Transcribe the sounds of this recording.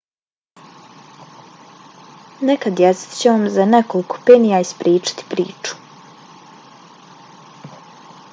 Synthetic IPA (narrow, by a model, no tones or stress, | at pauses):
nekad̪jesi̥t̪t͡ɕeʋamzanekoliko̥peːnijaispɾiːt͡ʃḁt̪i̥pɾḭːt͡ʃu̥